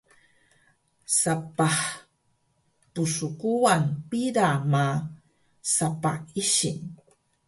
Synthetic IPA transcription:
sapaħ | tusukuanpiɾama | sapaiɕin

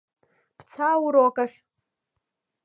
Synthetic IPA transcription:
pʰt͡sʰawuɾokʼaʃʲ

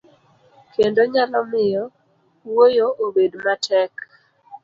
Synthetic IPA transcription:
kendoɲalɔmɪjɔ | wojoʔobedmatʰɛk

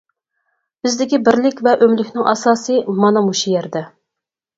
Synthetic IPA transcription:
b̥ɪzd̪ɪkʲibɪɾlɪkʲvɛʔømlykʲnɪŋʔɑ̰sɑːsɨmɑnɑmuʃijɛɾd̪ɛ

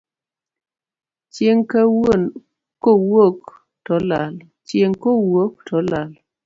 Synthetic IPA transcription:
t͡ʃjeŋkawon | kowok | tɔlal | t͡ʃjeŋkowok̚tɔlal

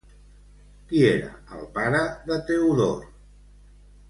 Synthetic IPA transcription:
kieɾə̰əlˠpaɾəðət̪ewðoɾ

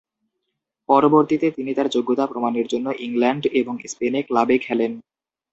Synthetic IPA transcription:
pɔɾoboɾt̪it̪et̪init̪aɾd͡ʑoɡːot̪apɾomaneɾd͡ʑonːoʔiŋlɛɳɖeboŋispeneklabekʰɛlen

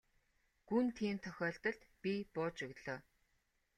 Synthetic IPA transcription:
ɡ̥unt̪ʰiːmt̪ʰœxʲɔːɮt̪ə̆ɮt̪pʲipʊːt͡ɕɵɣɮɔː

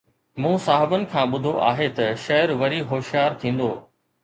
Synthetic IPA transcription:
mũːsaːɦɪbənɪ̆kʰãːɓʊd̪ʱoʔaːɦet̪ɐʃɐɾʋɐɾiɦoːʃijaːɾt̪ʰĩːn̆d̪oː

